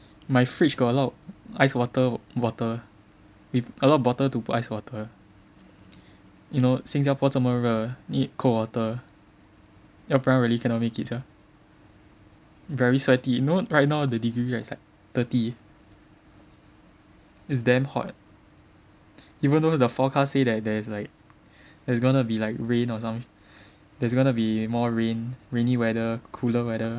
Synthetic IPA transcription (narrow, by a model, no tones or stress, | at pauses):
maɪfɹit͡ʃɡɔəlɔtʔaɪswɔtəwɔtə | wifəlɔbɔtətuputaɪswɔtə | junosĩŋsapɔtsəməɹənikʰowɔtə | ɛpɹãnɹɛlikənɔmikitsa | vɛɹisɛtinoɹajt̚naʊdədiɡɹilaslaɪk̚ | t̪əti | isdɛ̃mhɔ̰t̚ | ivə̃ndodəfɔkʰasːedɛt̚dɛslaɪk̚ | dɛsɡõnubilaɪk̚ɹẽnɔsãm̃ | dɛsɡɔ̃nubimɔɹẽnɹẽnĩwɛdəkʰuləwɛɾə